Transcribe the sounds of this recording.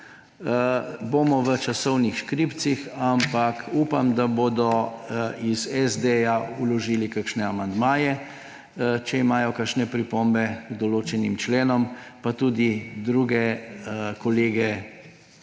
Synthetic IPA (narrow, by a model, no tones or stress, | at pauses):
bomɔʋət͡ʃasɔwnixʃkɾiːpt̪sixampakuːpamd̪aboːd̪ɔ | izɛzd̪ejaulɔʒiːlikakʃnɛamand̪maːjɛ | t͡ʃɛimaːjɔkakʃnɛpɾipombɛɡd̪ɔloːt͡ʃɛnimt͡ʃleːnɔmpat̪uːd̪id̪ɾuːɡɛ | kɔleːɡɛ